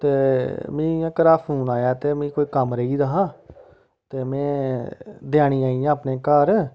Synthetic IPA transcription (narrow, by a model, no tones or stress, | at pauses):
t̪eːmĩːãːkəɾaːpʰuːnaːjaːt̪eːmĩːkoːiːkəmɾəiːd̪aːɦãː | t̪eːmɛ̃ː | d̪jaːɽ̃iːaːiːjãːəpneːkaːɾ